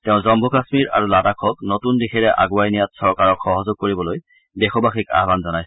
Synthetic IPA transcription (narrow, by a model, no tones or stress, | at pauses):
tɛʊ̃zɔmbʱɔkasmiɹʔa̰ɹulatakʰɔknotundixʰɛɹɛʔa̰ɡuajnijatsɔɹkaɹɔkxɔɦɔzoɡ̚koɹibɔloj | bɛxɔbaxika̰ɦbanzɔnaj